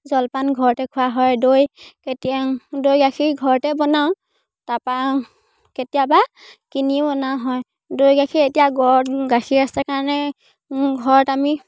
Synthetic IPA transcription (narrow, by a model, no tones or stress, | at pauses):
zɔlpanɡʱɔɹɔtɛkʰʊaɦɔjdojketiadojɡakʰiɹɡʱɔɹɔtɛbɔnaʊ̃ | tapa | ketijaba | kiniɔnaɦɔj | dojɡakʰiɹetijaɡɔɹɡaxʰiɹastakaɹnɛ | ɡʱɔɹɔtami